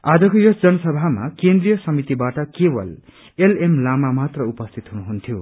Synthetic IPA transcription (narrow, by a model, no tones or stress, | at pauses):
ad͡zʌkojosd͡zʌnʌsʌbʱama̰kẽnd̪rijʌsʌmit̪ibaʈʌkebʌ̰l | elemlamamat̪rʌupʌst̪ʰit̪ɦunuɦunt̪ʰjo̰